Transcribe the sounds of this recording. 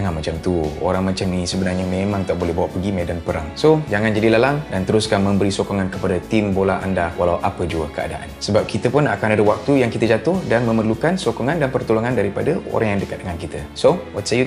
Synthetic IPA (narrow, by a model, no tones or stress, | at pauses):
ŋanmat͡ʃamt̪uo̰ɾaŋmat͡ʃaminisəbənarɲamemãŋt̪aʔbolɛhbawaʔpəɡimedanpəɾaŋsod͡ʒaŋãnd͡ʒadilalaŋdant̪əɾuskanmə̃mbəɾisokɔŋankəpadat̪imbolaʔa̰ndawalawʔapəd͡ʒuəkəa̰da̰ʔa̰nsəbap̚kit̪əpʊnakanadəwak̚t̪ujaŋkit̪əd͡ʒat̪ʊhdanmə̃mərlukansokɔŋãndanpərt̪uluŋandaɾipadao̰ɾaŋjaŋdəkat̪̚dəŋankit̪ə | sowɔt̪saju